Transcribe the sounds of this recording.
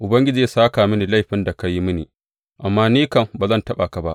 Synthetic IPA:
ʔʊ˨bɐ˦ŋɡʲɪ˦d͡ʒiː˨˦saː˦kaː˨mɪ˦niː˨la˦˨jɸɪ˦nda˨ka˦ji˦mɪ˦nḭː˨ | ʔa˨mːaː˦niː˦kɐ˨mbaː˨zɐ˦ntɐ˦ɓa˨ka˨ba̰˦ʔ

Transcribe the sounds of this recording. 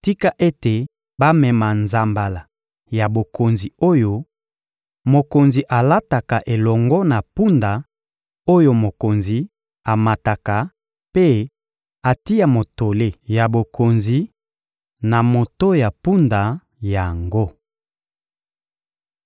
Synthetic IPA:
ti˦ka˦ʔe˦te˨ | ba˦mɛ˨ma˨nza˨mba˨la˨ | ja˨bo˨kʰo˨nzi˨o˦jo˦ | mo˨ko˨nzi˨ʔa˨la˦ta˨ka˨ʔe˨lɔ˨ŋɡɔ˦na˨pu˦nda˨ | o˦jo˦mo˨ko˨nzi˨ | a˨ma˨ta˨ka˨ | pe˦ | a˨ti˦ja˨mo˨to˨le˦ja˨bo˨kʰo˨nzi˨ | na˨mo˨to˦ja˨pu˦nda˨ | ja˨ŋɡo˦

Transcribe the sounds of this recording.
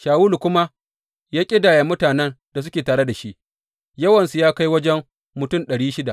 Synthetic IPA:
ʃaː˨wuː˦lkʷʊ˦ma˦ | jaː˦kʲʼɪ˦daː˨ja˨mʊ˦taː˨nɛ˦nd̥a˨s̬ʊ˦kʲeː˨taː˨ɽe˦da˨ʃi˦ʔ | jɐ˦wɐ˨nsu˨jaː˦ka˦jwɐ˦d͡ʒɛ˦m | mʊ˨tʊ˦˨mɗɐ˨ɽiː˦ʃɪ˦da̰˨ʔ

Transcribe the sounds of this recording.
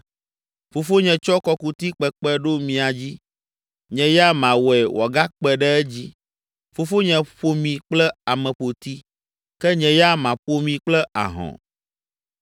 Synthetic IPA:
fo˨fo˦ɲɛ̃˨t͡ʃɔ˦kɔ˦ku˨t̪i˦k͡pɛ˨k͡pɛ˦ɖo˦mĩ˨a˨d͡ʑi˦ | ɲɛ̃˨jɛ˦a˦mã˨wɛ˨wʔɔ˨ɡa˦k͡pɛ˨ɖɛ˦ɛ˦d͡ʑi˦ | fo˨fo˦ɲɛ̃˨ɸo˦mĩ˨k͡plɛ˦a˨mɛ̃˨ɸo˨t̪i˦ | kɛ˦ɲɛ̃˨ja˦mã˨ɸo˦mĩ˨k͡plɛ˦ʔa̰˨ɦɔ̰̃˨

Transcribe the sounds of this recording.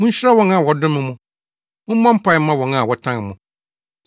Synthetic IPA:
mũ˦ɲ̩˦ɕa˦wɔ̃˦na˨wɔ˨dʊ̃˦mɪ̃˨mʊ̃˨ | mʊ̃˦mã˦m̩˦pʰa˨˦ã˦wɔ̃˨na˨wɔ˨tʰã˦ŋ˨mʊ̃˨

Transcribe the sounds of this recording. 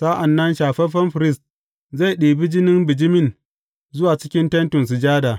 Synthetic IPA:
sa˦ʔa˨nːɐ˦nʃaː˨ɸɛ˦ɸɐ˦nɸɾɪ˦st̚ | za˦˨jɗiː˨bi˦d͡ʒɪ˦nɪ˦mbɪ˨d͡ʒɪ˦mɪ˦˨n | zʊ˦waː˨t͡ʃɪ̥˦kʲɪ˦ntɐ˦ntʊ˨ns̬ɪ˨d͡ʒaː˦daː˨

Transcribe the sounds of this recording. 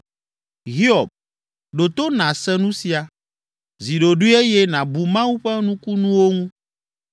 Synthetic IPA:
ɦi˦ɔ˨b̚ | ɖo˨t̪o˦nã˨sɛ˦nũ˦si˨a˨ | zi˨ɖo˨ɖu˦e˦jɛ˦nã˨bu˨mã˦wu˦ɸɛ˦nũ˦ku˦nũ˦wo˦ŋũ˦

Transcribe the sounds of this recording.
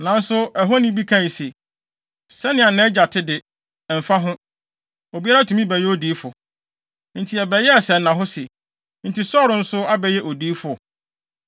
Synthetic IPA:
nã˨n̩˦sʊ˦ɛ˨ɦo˦nĩ˦bi˦kʰã˦˨i˨se˨ | sɛ˦nɪ̃˨a˨nɛ̃˦d͡ʑa˨tʰɪ˦dɪ˨ | m̩˨fa˦ɦʊ̃˦ | o˨bi˦a˦ɾa˦tʰũ˨mĩ˦bɛ˨jɛ˦o˦diː˨˦fʊ˨ | n̩˨tʰi˨ɛ˨bɛ˨jɛ˦ɛ˨sɛ˨nnã˨ɦʊ˦sɛ˨ | n̩˨tʰi˨sɔ˦ɾʊ˨n̩˦sʊ˦a˦bɛ˨jɛ˦ʔo˨diː˦fʊ˨ɔ˨

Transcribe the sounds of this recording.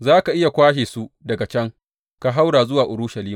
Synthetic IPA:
zaː˦ka˨ʔɪ˦ja˨kʷaː˦ʃeː˨su˦dɐ˨ɡa˨t͡ʃɐ˦ŋ | ka˨ɦa˦wɽaː˨zʊ˦waː˨ʔʊ˨ɾʊ˦ʃɐ˨liː˦ma˨

